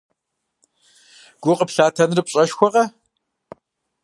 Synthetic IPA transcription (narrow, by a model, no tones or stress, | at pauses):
ɡ̥ʷʊqʼəpɬaːtʰɐnrɨpɕʼɐʃxʷɔʁɐ